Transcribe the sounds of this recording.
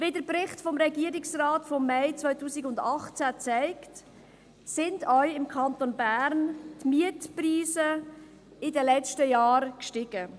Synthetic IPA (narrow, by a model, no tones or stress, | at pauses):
vedəɾpɾɪχtfɔmɾɛɡiəɾɪksraːtfɔmːɛɪt͡sʋvœʏtuːsiɡʊndɑχt͡sæt͡sɛɪkt | sɪndœʏɪmkʰɑnt̪onbæːɾntmiətpriːsə | ɪdəlɛt͡ʃtəjɑːɾkʃtɪɡ̥ə